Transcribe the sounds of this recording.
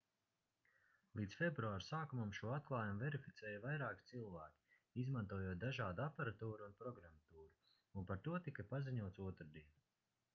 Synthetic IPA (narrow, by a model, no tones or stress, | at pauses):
lˠiːt̪sfʲebɾuaːɾsaːkumamʃuɔat̪̚klˠɑːjumuvɛɾifit̪sɛːjavajɾaːki̥t̪silˠvæːkʲi̥ | izmãnt̪uɔjuɔt̪̚d̪aʒaːd̪uapaɾat̪uːɾuːnpɾɔɡɾamat̪uːɾu | unpaɾt̪uɔt̪ikapaziɲuɔt̪suɔt̪ɾd̪iɛn